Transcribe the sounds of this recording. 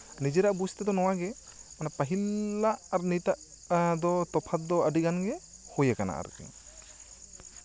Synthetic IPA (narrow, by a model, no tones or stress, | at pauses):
nid͡ʒɛɾaʔbust̪ɛd̪ɔnɔwaɡɛmanapaɦilːaʔaɾnit̪aʔ | d̪ɔt̪ɔpʰat̪̚d̪ɔəɖiɡanɡɛhujakana̰ʔa̰ɾṵkḭŋ